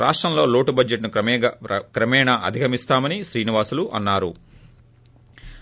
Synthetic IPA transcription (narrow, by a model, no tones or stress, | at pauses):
ɾʔaːʂʈɾɐmlo̞ːlo̞ːʈubɐd͡ʒeʈnuɐkɾɐmɛːɳɐʔɐ̰d̪ʱiɡʱɐmist̪aːmɐniʃɾiːniʋaːsuluʔɐnːaːɾṵ